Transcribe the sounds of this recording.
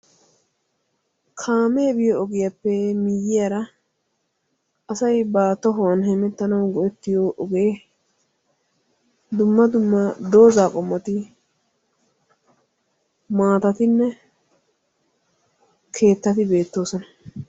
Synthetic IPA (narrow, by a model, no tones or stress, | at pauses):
kʰaːmeːbɪjɔɔɡɪjɐpːɛmɪjːɪjɐɾɐ | ɐsɐjbaːt̪ːɔɦɔwɐnɦɛmɛt̪ːɐnɐwɡɔɛt̪ːɪjoːʔɔɡe | d̪ʊmːɐd̪ʊmːɐd̪o̞ːzaːkʼɔmːɐt̪ɪ | maːt̪ɐt̪ɪnːɛ | kʰe̞ːt̪ːɐt̪ɪbe̞ːt̪ːo̞ːsɔnɐ̥